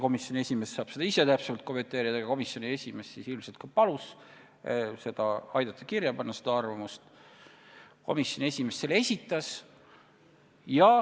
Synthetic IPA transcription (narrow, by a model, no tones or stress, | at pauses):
ko̞misjo̞nʲiesʲime̞ssɑːb̥se̞d̪ɑise̞t̪æpsevɑlt̪̚ko̞me̞nt̪e̞ːɾid̪̥ɑjɑko̞misjo̞nie̞sʲime̞ssisilmselt̪kopɑlus | se̞d̪̥ɑɑjd̪̥ɑt̪ˑːɑ̥kirjɑpɑnːɑsed̪̥ɑɑrvɑmust̪ | ko̞misʲjo̞nie̞sʲime̞sselːeesʲit̪ːˑɑs | jɑ